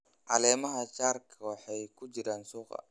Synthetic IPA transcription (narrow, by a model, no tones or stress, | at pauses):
ʕɑlɛːmɐɦɐt͡ʃaːrkʰɐwɑħɑjkʰʊt͡ʃɪɾaːnsuːqɐ̰